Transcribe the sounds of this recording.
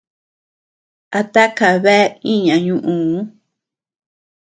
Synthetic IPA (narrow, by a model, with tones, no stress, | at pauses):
a˧t̪a˦ka˨βe˦i˦ɲã˨ɲũ˧ʔũ˧˦